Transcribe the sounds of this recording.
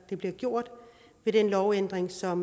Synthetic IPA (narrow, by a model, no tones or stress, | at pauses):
d̥e̝b̥liɐɡ̥jo̝ɐ̰d̥ | ʋe̝ɾ̥enlɒʊend̥ʁeŋsɒ̽m